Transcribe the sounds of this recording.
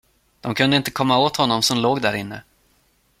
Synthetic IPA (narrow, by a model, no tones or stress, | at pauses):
d̪̥ɔmkʰɵnd̪əɪnt̪əkʰɔmːaoːt̪hɔnːɔmsɔmloːɡd̪æɾɪnːə̰